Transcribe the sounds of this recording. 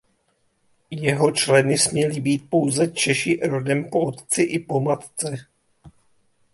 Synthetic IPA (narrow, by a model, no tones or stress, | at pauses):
jɛɦo̞t͡ʃlɛnɪsmɲɛlɪbiːt̪̚po̞wzɛt͡ʃɛʃɪʔɾodɛmpoot̪t͡sɪʔɪpo̞mat̪t͡sɛ